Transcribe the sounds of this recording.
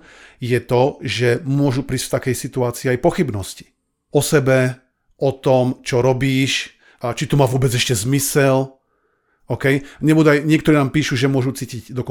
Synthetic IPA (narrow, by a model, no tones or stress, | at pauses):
jɛt̪ɔʒɛmʊɔʒupɾiːsft̪akɛjsit̪uaːt͡siːajpɔxibnɔsci̥ | ɔsɛbɛ | ɔt̪ɔmt͡ʃɔɾɔbiːʃ | t͡ʃit̪umaːʋʊɔbɛd͡zɛʃcɛzmisɛl | ɔkɛjɲɛbuːd̪uajɲɪɛkt̪ɔɾiːnaːmpiːʃuʒɛmʊɔʒut͡siːciɟd̪ɔkɔ